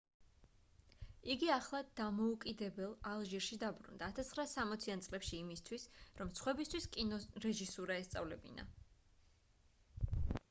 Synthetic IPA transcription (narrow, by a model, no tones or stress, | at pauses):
iɡiaχlˠad̪̥amɔukʼid̪ɛbɛlˠalˠʒiɾʃid̪abɾṵnd̪aːt̪ʰast̪ʰχɾaːsamɔt̪sʰiant̪sʼlɛpʃiːmist̪ʰwisɾɔmsχwɛbist̪ʰwiskʼinɔɾɛʒisuɾaɛst̪sʼa̰vlɛbḭna̰